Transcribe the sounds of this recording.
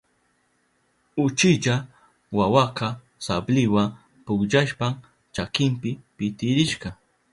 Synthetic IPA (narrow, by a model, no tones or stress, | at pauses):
ʊt͡ʃɪʎa | wawaqɑ | sablɪwa | pʊkʎaʃpam | t͡ʃakɪmpɪpɪt̪ɪɾɪʃɢɑ